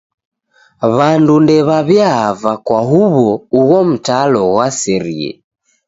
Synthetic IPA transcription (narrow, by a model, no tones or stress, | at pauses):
βandundɛβaβjavakwaɦuβɔuɣɔm̩talɔɣwasɛɾḭɛ̰